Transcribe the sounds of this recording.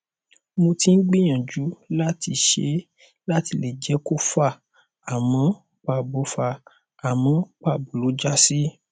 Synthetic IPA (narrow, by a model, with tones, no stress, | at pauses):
mõ˧tĩ˦n̩˦ɡ͡bĩ˦j̃ã˨d͡ʒu˨˦la˦ti˧ʃḛ˨˦ | la˦ti˧˦le˨d͡ʒɛ˦ko˦fa˦˨ | a˨mɔ̃˨˦ | k͡pa˧˨bo˨˦fa˧˨ | a˨mɔ̃˨˦k͡pa˦˨bo˨lo˨˦d͡ʒa˦si˦